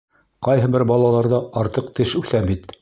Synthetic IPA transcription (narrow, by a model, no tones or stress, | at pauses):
qɑjɦɤbɘɾbɑlˠɑlˠɑɾðɑɑɾt̪ɤq̚t̪ɘʃʉθæmbit̪